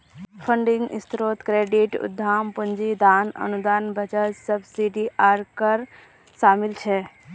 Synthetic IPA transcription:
pʰəɳɖĩŋɡḭst̪ɾoːt̪kɾeːɖiʈṵd̪ʱːaːmpənd͡ʒid̪aːnə̰nud̪aːnbʱət͡ʃəsəbsiɖiʔaːɾkəɾ | ʃaːmilt͡ʃʰɛ

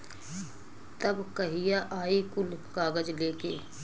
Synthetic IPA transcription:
t̪ɐbkɐɦijaʔaːikʊlkaːɡəd͡ʒleːkḛː

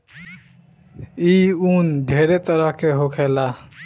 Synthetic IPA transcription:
iund̪ʱeɾet̪əɾəɦkeɦokʰɛla

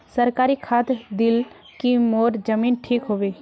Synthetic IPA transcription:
səɾkaːɾikʰaːt̪d̪ɪl | kimoːɾd͡ʒəmiːnʈʰiːkɦoːʋeː

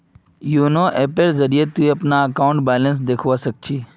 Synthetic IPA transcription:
junoːʔeːpeɾzəɾiet̪ueɐpnaɐkaːʊ̃ɳʈbaːlə̃ns̬d̪eːkʰʋasək̚t͡ʃʰiː

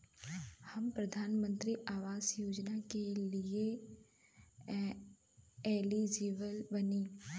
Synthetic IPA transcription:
hɐmpɾɐd̪ʱaːnmə̃nt̪ɾiʔaːʋaːzjoːd͡ʒnakelie | eːlid͡ʒiːʋəlbəniː

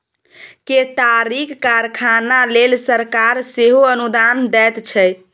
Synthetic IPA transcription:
ket̪aɾikkaɾkʰanalelsəɾkaɾseɦoənud̪and̪ɛt̪t͡ʃʰɛ

